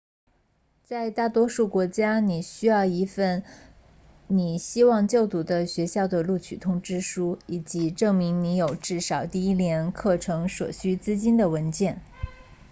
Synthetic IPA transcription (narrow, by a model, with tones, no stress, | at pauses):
t͡sa˥˧ɪt̪a˥˩t̪wɔ˥ʂu˥˩kwɔ˧˥t͡ɕja˥ni˨˩ɕy˥jɑ˥˩ʊi˧˥fə˥˩n | ni˨˩ɕi˥wɑ˥˧ŋt͡ɕjo˥˩ʊt̪u˧˥d̪ə˧ɕɥɛ˧˥ɕjɑ˥˩ʊd̪ə˩lu˥˩t͡ɕʰy̰˨˩t̪ʰʊ˥ŋʈ͡ʂɻ̩˥ʂu˥i˨˩t͡ɕi˧˥ʈ͡ʂɤ˥˩ŋmi˧˥ŋni˧˥jo˨˩ʊʈ͡ʂɻ̩˥˩ʂɑ˨˩ʊt̪i˥˩i˥ljɛ˧˥nkʰɤ˥˩ʈ͡ʂʰɤ˧˥ŋʂwɔ̰˨˩ɕy˥t͡sɹ̩˥t͡ɕi˥nd̪ə˨˩wə˧˥nt͡ɕjɛ˥˩n